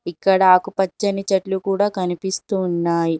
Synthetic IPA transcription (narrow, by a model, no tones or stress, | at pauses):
ikːɐɽɐaːkupɐt͡ʃːɐnit͡ʃɐʈlukuːɽaːkɐnipist̪uːnːaːji